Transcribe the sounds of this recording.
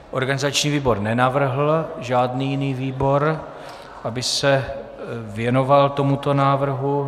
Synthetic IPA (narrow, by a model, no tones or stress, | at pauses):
ʔo̞ɾɡanɪzat͡ʃɲiːviːbo̞ɾnɛnavr̩ɦl̩ʒaːdniːjɪniːviːbo̞ɾ | ʔabɪsɛ | vjɛno̞valt̪o̞mut̪o̞naːvr̩ɦu